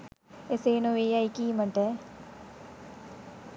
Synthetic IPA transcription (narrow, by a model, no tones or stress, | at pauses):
eseːnoʋeːjajkiːməʈə